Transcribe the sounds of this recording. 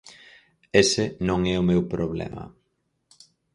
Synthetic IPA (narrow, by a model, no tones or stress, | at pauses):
esenõŋɛʊmewpɾoβlɛ̰ma̰